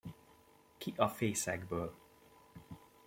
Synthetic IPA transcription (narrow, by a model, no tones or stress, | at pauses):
kiʔɒfeːsɛɡbøːl